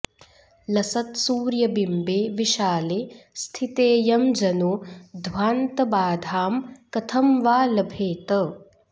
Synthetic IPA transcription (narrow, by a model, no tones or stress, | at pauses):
lɐsɐt̪suːɾjɐbimbeːʋiʃaːleːst̪ʰit̪eːjɐmd͡ʒɐnuːd̪ʱʋaːnt̪ɐbaːd̪ʱaːmkɐt̪ʰɐmʋaːlɐbʱeːt̪ɐ